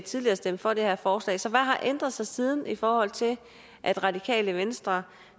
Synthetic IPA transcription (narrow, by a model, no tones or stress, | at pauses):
t͡sʰið̞ˠliɐːsd̥em̰fɒ̽d̥e̝hæɐ̰fɒːslɛ̰ːsɒ̽ʋæɦɑ̈ʔend̥ʁɐðˠsɑ̈ɪsiːð̞ˠn̩ifɒːhɒ̽l̰t͡sʰe̝l | ʔæd̥ʁɑ̈dikʰɛ̰ːləʋensd̥ʁɐ